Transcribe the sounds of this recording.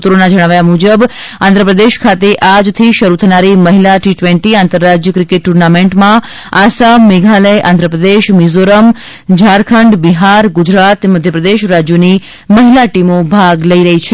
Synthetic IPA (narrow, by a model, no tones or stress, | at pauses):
t̪ɾonad͡ʒəɽ̃aʋajamud͡ʒəb | ã̰nd̪ɾəpɾəd̪eʃkʰat̪eʔad͡ʒt̪ʰiʃəɾut̪ʰənaɾiməɦilaʈiʈʋẽɳʈiãnt̪əɾːad͡ʒjəkɾɪkeʈːuɾnamẽɳʈmã | asameɡʱaləjʔã̰nd̪ʱɾəpɾəd̪eʃmizoɾəm | d͡ʒʱaɾkʰəɳɖbiɦaɾɡud͡ʒɾat̪məd̪ʱjəpɾəd̪eʃɾad͡ʒjoni | məɦilaʈimobʱaɡləiɾəɦit͡ʃʰ